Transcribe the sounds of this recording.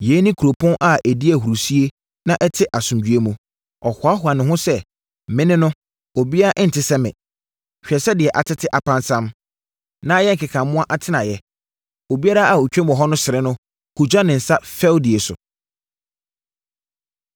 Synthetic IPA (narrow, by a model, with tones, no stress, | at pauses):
je˨˦nɪ̃˦kʰu˨ɾo˨pʰʊ̃˦nʔa˦ʔæ˨di˦æ˨ɦu˨ɾu˨si˦e˦ | nã˦ʔɛ˦tʰɪ˦ʔa˨sũ˨md͡ʑᶣɥe˦mũ˨ | ɔ˨hʊ˨a˦hʊ˨a˨nɪ̃˨ɦʊ̃˦sɛ˦˨ | mɪ̃˦nɪ̃˦nʊ̃˦ | o˨bi˦a˦ɾa˦ʔn̩˨tʰɪ˨˦sɛ˦mɪ̰̃˨ | ɕᶣɛ˨sɛ˦dɪ˨ɛ˨ʔa˨tʰɪ˦tʰɪ˦ʔa˨pʰã˦nsã˦m | nã˦jɛ˦ŋ̩˨kʰɪ˨kʰã˨mmʊ̃˦a˦ʔa˨tʰɪ˦nã˨jɛ˦ | o˨bi˦a˦ɾa˦a˨o˨t͡ɕᶣɛ̃˦m˨ɔ˨ɦɔ˦nʊ̃˦sɪ˨ɾɪ̃˦nʊ̃˦ | kʰu˨d͡ʑᶣa˦nɪ̃˨n̩˨sa˦fɛ˦ldi˨e˨sʊ̰˨